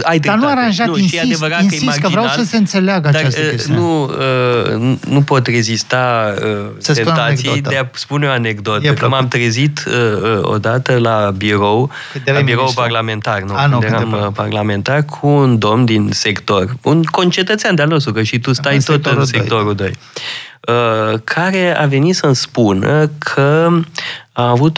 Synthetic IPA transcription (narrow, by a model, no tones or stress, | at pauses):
ajd̪anuaɾanʒanuiʃiaevəɾat̪iəimad͡ʒəivɾawaəseɨnt̪seleaɡəad̪aasənuənnupo̞t̪re̞zist̪aə | sət̪ent̪at̪ssijidd̪easpuneoaneɡd̪o̞t̪əumamt̪ɾezit̪əəo̰d̪at̪əlabiɾo̞w | abiɾo̞wparlame̞nt̪arnud̪eaməparlame̞nt̪at̚kʰuːnd̪o̞md̪inse̞kt̪o̞runko̞nt͡ʃe̞t̪ət̪sʲand̪ealnost̪ɾukəʃit̪ust̪ajt̪ot̪ɨnsekkt̪o̞ɾud̪o̞̰j | əkʰaɾe̞a̰ve̞nit̪sənspunəkʰə | aːvut̪